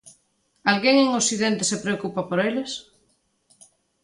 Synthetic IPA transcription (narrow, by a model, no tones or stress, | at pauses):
alɣeŋeŋosiðẽnt̪esepɾeokupapoɾeles